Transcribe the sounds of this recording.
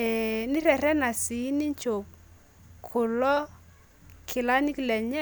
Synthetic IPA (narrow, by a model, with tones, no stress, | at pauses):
ɛ˨ni˦ɾɛ˨ɾɛ˦na˨si˨˦ni˦ɲt͡ʃo˨p̚ | kʰʊ˨lɔ˦ | kʰɪ˨la˦ni˦klɛ˨ɲɛ˦